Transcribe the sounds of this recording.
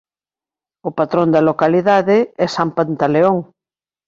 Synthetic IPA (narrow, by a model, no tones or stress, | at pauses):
ʊpat̪ɾõnd̪ɐlokaliðaðeɛsampant̪aleoŋ